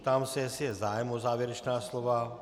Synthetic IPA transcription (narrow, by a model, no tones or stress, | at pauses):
t̪amsɛsiɛzaːjmɔzaːʋjɛɾɛt͡ʃnaːslɔʋa